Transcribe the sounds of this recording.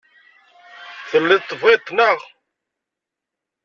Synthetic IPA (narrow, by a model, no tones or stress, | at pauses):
θəlːiðt̪ˤːəvʁit̪ˤːnəʁ